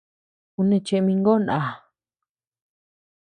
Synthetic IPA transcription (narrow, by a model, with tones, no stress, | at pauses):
u˧nẽ˧t͡ʃe˧mĩ˧ŋɡo˦˨nã˨˧˨